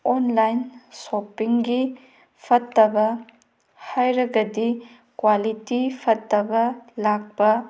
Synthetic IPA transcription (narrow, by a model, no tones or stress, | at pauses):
ɔnlajnsɔpːiŋɡi | pʰɐtːɐbɐ | hajɾɐɡɐdi | kwalitipʰɐtːɐbɐlak̚bɐ